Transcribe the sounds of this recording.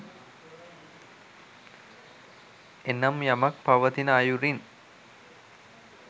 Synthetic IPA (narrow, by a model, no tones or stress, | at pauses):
enːɐmjamɐk̚paʋət̪inəajuɾin